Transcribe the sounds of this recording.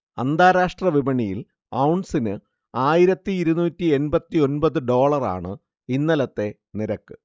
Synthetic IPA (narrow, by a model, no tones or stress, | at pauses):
ɐ̰nd̪aːɾaːʂʈrɐʋibɐɳijil | ɐwɳɖsinɨ | aːjiɾɐt̪ːiːɾunuːtːie̞nbɐt̪ːio̞nbɐðɨɖo̞ːɭɐra̰ːɳɨ | inːɐlɐt̪ːe̞ | niɾɐkːɨ